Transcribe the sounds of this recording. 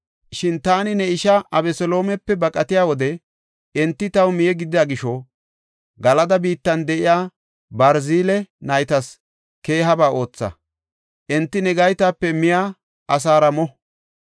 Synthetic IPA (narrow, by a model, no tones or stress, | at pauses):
ʃɪnt̪aːnɪnɛɪʃɐʔɐbɛsɔlo̞ːmɛpːɛbɐkʼɐt̪ɪjaːwɔd̪ɛ | ɛnt̪ːɪt̪ɐwmɪjɛɡɪd̪ɪjɐɡɪʃɔ | ɡɐlɐd̪ɐbiːt̪ːɐnd̪ɛʔɪjaː | bɐɾziːlɛnɐjt̪ɐs | ke̞ːɦɐbaːʔo̞ːt͡sːɐ̰ | ʔɛnt̪ːɪnɛɡɐjt̪aːpːɛmɪjaː | ɐs̬aːɾɐmɔ